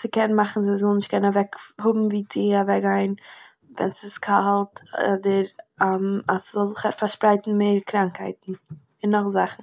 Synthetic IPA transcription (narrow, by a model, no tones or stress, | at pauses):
sɪkɛnmaχn̩zɪzɔlˠnɪʃt̚kʰɛnnavɛkhʊbm̩viːt͡sɪavɛkɡaɪn | vɛ̰nsɪskʰahlˠtɔ̰dəɾamaszɔlˠzɪχaɾfaɾʃpɾaɪtn̩meːɾkɾaŋkhaɪtn̩ | ɪnːɔχzaχn̩